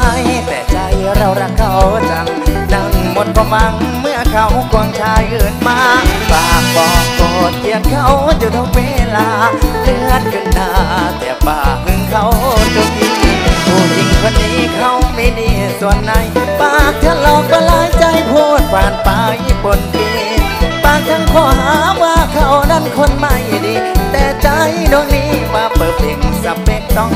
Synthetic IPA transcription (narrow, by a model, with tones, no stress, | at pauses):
jt̪ɛ̰ː˨˩t͡ɕa˧˩jɾa˧˩wɾa˧˩kʰːa˧˩wsa˧˩ŋ | na˧˩ŋmo˧˦t̪̚kɔ˧ma˧ŋmɯ˧˩əkʰa˧˩wkɔː˧ŋt͡ɕʰaː˧jʔɯː˧˩nmaː˧˥baː˧˩k̚pɔː˧˩kɔː˨˩t̪̚ki˧˩əkkʰːa˧˩wt͡ɕa˧˩t̪ʰo˧˥k̚weː˧˥˩laː˧˥lɯ˧ət̪̚kʰɯ˧ndaː˧t̪ɛ̰ː˧˩paː˨˩kːɯ˧ŋkʰa˧˩wt̪o˧k̚t̪iː˧˥kuː˧˩ʔi˧˩ŋkʰo˧˥˨nːiː˧˥˩kʰa˧˩wmi˧˩niː˧˩su˨˧˩ənːa˧˩jpaː˧˩k̚t̪ʰa˧˥˩lɔː˧˩k̚pa˧laː˨˦jt͡ɕa˧jpʰo˧˥t̪̚pʰaː˨˧˩npa˧jbo˧nki˧ | paː˧˩ŋ̚t̪ʰa˧˥ŋkʰɔː˧˩ɦaaː˨˦waː˧kʰa˧˩wna˧˥˨nkʰo˧˥˨nma˧˩jniː˧˩t̪ɛː˧˩t͡ɕa˧˥jdu˧əŋniː˧˥waː˧pɤː˨˩p̚ʔe˧˩ŋ˧sa˧˦me˧˩t̪ɔ˧˩ŋ